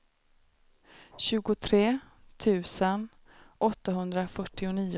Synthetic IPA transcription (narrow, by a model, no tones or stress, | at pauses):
ɕʉ̟ːɡʊt̪ʰɾeː | t̪ʰʉ̟ːsən | ʔɔt̪ːaɦɵnd̪ɾafœʈːɪʊniː